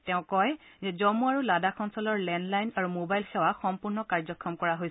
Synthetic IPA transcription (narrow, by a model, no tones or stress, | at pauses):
tɛʊ̃kɔj | zɛzɔmuaɹuladakʰɔnsɔlɔɹlɛndlajnaɹumobajlxɛwaxɔmpuɹnɔkaɹzɔkʰːɔmkɔɹaɦojs